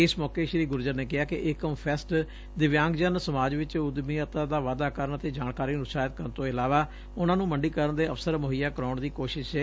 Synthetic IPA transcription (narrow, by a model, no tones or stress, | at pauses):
ɪsmɔːkeːʃɾiːɡʊɾd͡ʒəɾneːkɪɦaːkɪʔɪkəmpʰɛsʈ | d̪ɪʋjãːŋɡd͡ʒənsəmaːd͡ʒʋɪt͡ʃʊd̪miːət̪aːd̪aːʋaːd̪aːkəɾənət̪eːd͡ʒaːnkaːɾiːɾʊsaːjt̪̚kəɾənt̪õːɪlaːʋaː | ʊnãːnũːməɳɖiːkəɾənd̪eːəfsəɾmʊɦɪjaːkəɾɔːɳd̪iːkoːʃɪʃɛː